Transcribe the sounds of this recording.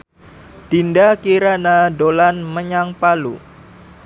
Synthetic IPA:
d̪̥indakiɾanadolanməɲaŋpalṵ

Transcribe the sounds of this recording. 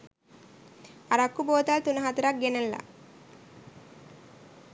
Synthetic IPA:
ɐɾɐkːuboːt̪alt̪unɐɦat̪ɐɾak̚ɡenɐlːa̰

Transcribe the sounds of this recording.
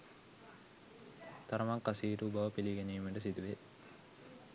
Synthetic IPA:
t̪ɐɾɐmɐŋkɐsiːɾuːbɐʋɐpiliɡenijmiɳɖəsid̪uʋe

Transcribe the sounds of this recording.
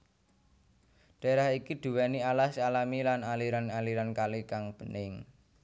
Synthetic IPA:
ɖ̥a̤eɾaɦikiɖ̪̥ṳwɛnialahsalamilanaliɾanaliɾankalikaŋb̥ə̤nɪŋ

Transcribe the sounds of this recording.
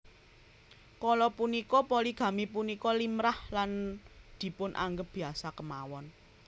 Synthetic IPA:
kɔlɔpunikɔpɔliɡ̥ä̤mipunikɔlimɾahland̪̥i̤pʊnʔa̰ŋɡəp̚b̥i̤asakəmawɔn

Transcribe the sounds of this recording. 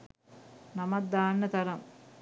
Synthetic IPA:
nɐmɐt̪̚d̪aːnːɐt̪ɐɾɐm

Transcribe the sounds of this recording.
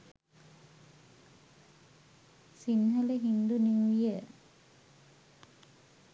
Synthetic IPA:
sinɦələɦind̪uniŋʋijə

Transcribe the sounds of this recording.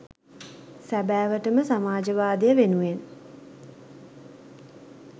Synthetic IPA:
sæbæːʋəʈəməsamaːd͡ʒəʋaːd̪ejəʋenuʋen

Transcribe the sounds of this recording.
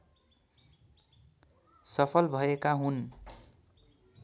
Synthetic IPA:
sʌpʰʌlbʱʌekaɦun

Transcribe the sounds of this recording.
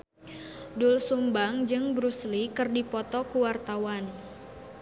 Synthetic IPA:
dulsumbaŋd͡ʒɨŋbɾuslikɨrdipɔt̪ɔkuwart̪awan

